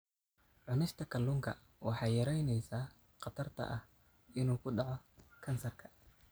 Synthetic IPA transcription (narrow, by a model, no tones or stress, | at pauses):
ʕʊnɛst̪ʰɐkʰɐlʊːŋkʰɐ̰ | wɑħɑːjjɐɾɛjnɛjsaː | qɑt̪ʰɐrt̪ʰɐ̰ʔɐh | ɪnuːkʰʊɖɑʕɔkʰɐnsɐrkʰɐ̥